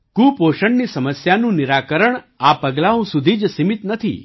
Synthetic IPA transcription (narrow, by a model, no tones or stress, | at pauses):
kũpoʃəɳnisəməsjanũniɾakəɾəɳ | apəɡlaũsud̪ʱid͡ʒsimit̪nət̪ʰḭ